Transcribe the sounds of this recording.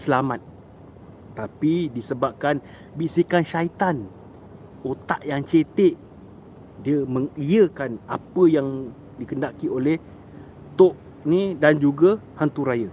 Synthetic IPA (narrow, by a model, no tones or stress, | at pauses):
səlamat̪̚ː | apidisəbap̚kan | bisikanʃait̪an | ot̪aʔjaŋt͡ʃet̪eʔ | diəməŋiəkana̰pəjaŋ | dikəndakiolɛh | t̪oʔ | nĩdand͡ʒuɡəhant̪uɾajə